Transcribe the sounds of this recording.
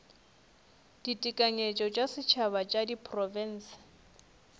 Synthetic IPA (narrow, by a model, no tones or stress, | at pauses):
d̥itʼikʼaɲet͡ʃʼɔt͡ʃʼasɪt͡ʃʰaβat͡ʃʼadipʰʼrɔvɛn̩ːsɪ̥